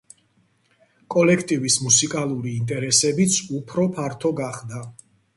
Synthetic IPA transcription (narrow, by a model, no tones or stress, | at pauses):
kʼɔlɛkʰt̪ʼivismusikʼalˠuɾiːnt̪ʼɛɾɛsɛbit̪sʰupʰɾɔpʰaɾt̪ʰɔɡaχd̪a